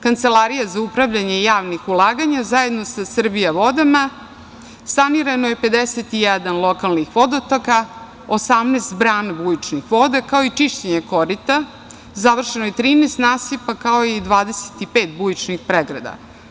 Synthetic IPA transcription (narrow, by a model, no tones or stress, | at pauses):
kant̪selˠaɾijazaupɾaʋʎaɲejaːʋnixulˠaːɡaɲazaje̞d̪no̞sasr̩bijaʋo̞d̪ama | saniɾanojepe̞d̪eset̪ijɛd̪anlˠokalnixʋo̞d̪ot̪oka | osamneːst̪bɾaːnabujit͡ʃnixʋo̞d̪akao̞it͡ʃiʃt͡ɕeɲeko̞ɾit̪a | zaʋr̩ʃenojet̪ɾiːnest̪naːsipakao̞id̪ʋaːd̪ese̥t̪ipeːt̪̚bujit͡ʃnixpɾeɡɾa̰d̪a̰